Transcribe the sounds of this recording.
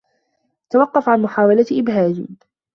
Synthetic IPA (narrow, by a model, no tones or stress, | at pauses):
t̪awɑqːɑfʕanmʊħaːwalat̪ʔɪbɦaːd͡ʒḭː